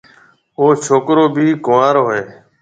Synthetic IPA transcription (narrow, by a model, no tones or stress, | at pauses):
oːt͡ʃʰoːkɾoːbʱiːkʊʋaːɾɦoːɦeː